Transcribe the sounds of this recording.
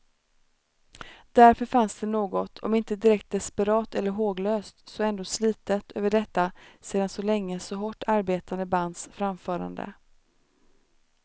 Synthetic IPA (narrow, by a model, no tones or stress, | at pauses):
d̪̥æɾfœɾfansd̪ɛnoːɡɔt̪ʰɔ̰mɪnt̪əd̪ɪɾɛk̚t̪̚d̪ɛspəɾɑːt̪ɛlːəɾɦoːɡløːst̪sɔɛnd̪oːsliːt̪ət̪ʰø̰ːvəɖɛt̪ːaseːd̪ansɔlɛŋːəsɔɦɔʈːaɾbeːt̪and̪əband̪sfɾamfœːɾa̰nd̪ə̰